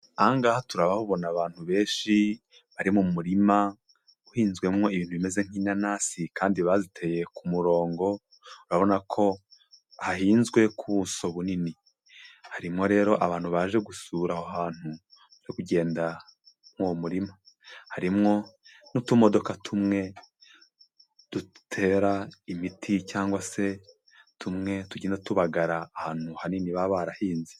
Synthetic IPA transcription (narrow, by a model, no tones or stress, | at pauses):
aŋɡaːhotuɾaβahuβo̞naβaːn̥huβe̞ːʃi | βaɾimumuɾima | uhiːnzɡwe̞mŋo̞iβiːn̥huβime̞ze̞ŋ̥iːnanasikʰaːndiβazitʰe̞je̞kʰumuɾo̞ːŋɡo̞ | uɾaβo̞nakʰo̞ | hahiːnzɡwe̞kʰuβuso̞βunini | haɾimŋo̞ɾe̞ːɾo̞ʔaβaːn̥huβaʒe̞ɡusuːɾahoɦaːn̥u | βaʒekuɟe̞ːnda | mwomuɾimo̞ | haɾimŋo̞nutumo̞do̞katʰumŋe̞ | d̥u̥tʰe̞ːɾaimitʰicaːŋɡwase̞ | tʰumŋe̞tuɟinatuβaɡaɾaːhaːn̥huhaniniβaβaɾahiːnzi̥